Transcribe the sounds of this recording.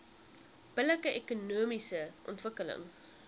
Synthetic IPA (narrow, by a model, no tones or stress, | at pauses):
b̥ələkəʔekunuəmisəʔɔ̰ntvəkələ̰ŋ